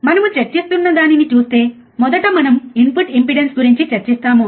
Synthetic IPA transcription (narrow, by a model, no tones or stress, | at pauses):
manmə̃t͡ɕɐt͡ɕːist̪unːɐd̪añinit̪uːst̪e | mɔd̪əʈamɐnumimpuʈimpiɽensɡuɾiɲt͡ɕit͡ɕɐt͡ɕːist̪amu